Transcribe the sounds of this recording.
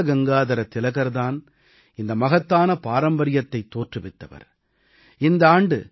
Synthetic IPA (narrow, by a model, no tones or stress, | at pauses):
ɐɡɐŋɡaːðɐɾɐt̪ːɪlɐɣɐɾðaːn | ɪnd̪ɐmɐɣɐt̪ːaːnɐpaːɾɐmbɐɾɪjɐt̪ːɐɪt̪ːoːʈrɯʋɪt̪ːɐʋɐ̰ɾ | ɪnd̪ɐaːɳɖɯ̰